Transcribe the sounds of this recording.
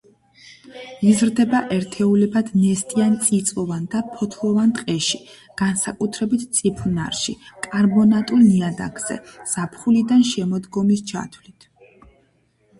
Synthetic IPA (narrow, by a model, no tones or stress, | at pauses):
izɾd̪ɛbaʔɛɾt̪ʰɛulɛbad̪nɛst̪ʼiant̪sʼit̪sʼɔvand̪apʰɔt̪ʰlˠɔvant̪ʼqʼɛʃi | ɡ̥ansakʼut̪ʰɾɛbit̪ʰt̪sʼipʰuna̰ɾʃḭkʼaɾbɔnat̪ʼulniad̪a̰ɡz̥ɛ̰z̥apʰχulid̪anʃɛmɔd̪ɡɔmist͡ʃʰa̰t̪ʰwlit̪ʰ